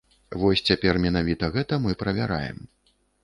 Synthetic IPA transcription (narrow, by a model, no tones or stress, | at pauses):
vɔsʲt͡sʲapʲɛrmʲɛnavʲit̪ɐɣɛt̪ɐmɨpɾɐvʲaɾa̰jɛ̰m